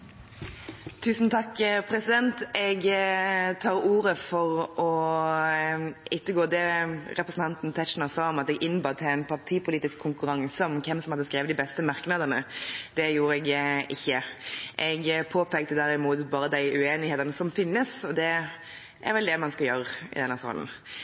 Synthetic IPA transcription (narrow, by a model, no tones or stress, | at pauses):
t̪ʰʉːsn̩t̪ʰɑkːpʰɾɛsɪd̪ɛnt̪ɛɡ | t̪ʰɑːɾuːɾəfɔʁʔɔ | ɪt̪ːəɡoːd̪ɛɾɛpɾəsn̩t̪ɑnt̪n̩t̪ʰɛt͡ʃnɑsɑːɔmɑt̪ɛɡʔɪnːbɑːt̪ʰɛæɪnpʰɑʁt̪ʰiːpʰʊliːt̪ɪskʰːʊŋkʉɾɑŋsɔmkʰɛmsɔmhɑd̪əskɾeːʋət̪d̪ɪbɛst̪əmɑʁknəd̪ənəd̪ɛjuːɾəɛɡʔɪçːəʔɛɡpʰoːpʰɛːk̚t̪əd̪æɾɪmuːt̪bɑːɾəd̪æɪʔʉeːnɪheːt̪əʁnəsɔmfɪnːəsɔd̪ɛ | ʔæ̰ɾʋɛld̪ɛmɑnskɑljøɾəɪ̰d̪ɛnːəsɑ̰ːln̩